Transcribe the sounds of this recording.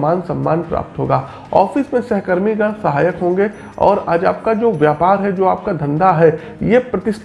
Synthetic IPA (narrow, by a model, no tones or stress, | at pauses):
aːnsɐ̃mːaːnpɾa̰ːp̚t̪ɦo̰ːɡaː | ɔ̰ːfɪsmẽsɛɦkəɾmiɡəlsɐɦaːjəkɦõːŋɡe | ɔ̰ːɾaːd͡ʒa̰ːp̚kad͡ʒoːʋjaːpaːɾɦɛd͡ʒoːaːp̚kad̪ʱɐ̃nd̪aɦɛ | jepɾɐt̪ɪs